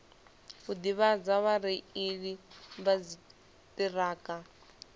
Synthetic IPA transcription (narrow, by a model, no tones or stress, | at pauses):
ɦud̪iβad͡zaβaɾiiɺiβad͡zi | tiraːka